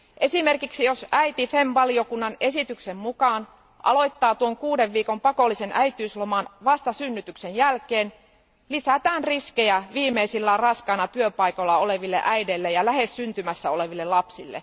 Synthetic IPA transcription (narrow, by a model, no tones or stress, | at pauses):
ʔe̞simerkiksijosæit̪ifemʋɑliokunːɑnesit̪yksemmukɑːn | ʔɑ̰lo̞it̪ːɑːt̪uoŋkuːdeʋʋiːkompɑkolːisenʔæit̪ˑyːslomɑnʋɑst̪ɑsynːyt̪yksenjælkeːn | lisæt̪æːnriskejæʋiːmeisilːæːrɑskɑnɑt̪yøpɑikolːɑoleʋilːḛʔæidelːejɑlæhessynt̪ymæsːæoleʋilːelɑpsilːḛ